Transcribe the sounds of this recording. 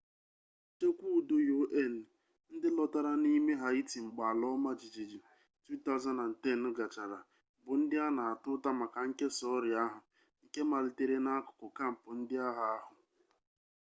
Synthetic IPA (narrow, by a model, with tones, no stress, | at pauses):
te˦kʷu˦˨do˦jo˦ʔe˦˨n̩˨ | n̩˦dɪ˦lɔ˦ta˦ɾa˦ni˦me˦ɦa˨i˦ti˨ŋ͡m̩˨ɡ͡ba˨a˨lɔ˦ma˦d͡ʒi˨d͡ʒi˨d͡ʒi˨ | tu˦ta˦ʊ˦za˦na˨n̩˨te˦˨n̩˦ɡa˨t͡ʃa˨ɾa˨ | bʊ˨n̩˦dɪ˦a˦na˨a˨tʊ˦ta˦ma˨ka˨ŋ̩˦ke˦sɔ˦ɾja˦ɦʊ˨ | i˨ke˦ma˨ɾi˨te˦ɾe˦na˦kʊ̥˨kʊ˨ka˦m̩˨pʊ˨n̩˦dɪ˦a˦ɦa˨a˦ɦʊ˨